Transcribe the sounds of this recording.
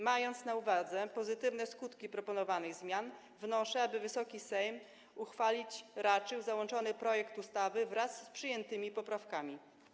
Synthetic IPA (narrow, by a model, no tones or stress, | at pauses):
majɔnt̪snauvad̪zɛpɔzɘt̪ɘvnɛskut̪kʲipɾɔpɔnɔvanɛɣzmʲjan | vnɔʂɛabɘvɘsɔkʲisɛjm | uxfalʲit͡ɕɾat͡ʂɘwzawɔnt͡ʂɔnɘpɾɔjɛkt̪ust̪avɘvɾasːpʂɘjɛnt̪ɘmʲipɔpɾafkamʲi